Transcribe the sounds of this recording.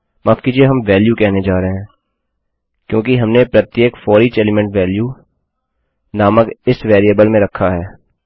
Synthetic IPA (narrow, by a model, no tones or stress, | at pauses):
maːfkiːd͡ʒieɦɐmʋɛːljukɛɦned͡ʒaːɾɦeɦɛ̃ː | kjõːkiɦɐmnepɾɐt̪jeːkfɔːɾit͡ʃeːlemɛ̃ɳʈʋɛːlju | naːməkɪsʋɛːɾijəbəlmẽɾɐkʰːaɦɛː